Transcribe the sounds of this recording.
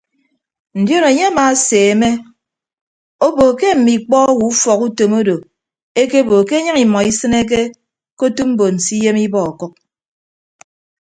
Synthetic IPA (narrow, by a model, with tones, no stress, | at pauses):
n̩˨djo˦no˨ɲe˦a˦ma˨˦seː˨e˨me˦ | o˦bo˨ke˦m̩˨mi˨k͡pɔ˦wu˨u˦fɔ˨ku˦to˨mo˦do˨ | e˦ke˦bo˨ke˦e˦ɲɨ˦ŋi˨mɔ˨i˦sɨ˦ne˦k̬e˦ | ko˦tu˦m̩˦bo˨n̩˨si˦je˦mi˦bɔ˦ɔ˨kɔ˦k̚